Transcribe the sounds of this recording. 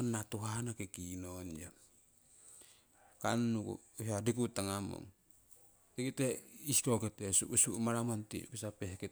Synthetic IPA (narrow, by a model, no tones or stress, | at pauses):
nːat̪uɦanakekinond͡ʒa | kanːukṵɦadikut̪aŋamo̰ŋ | teketeiskoket̪esṵʔusuʔmaɾamant̪ḭṵkesapehke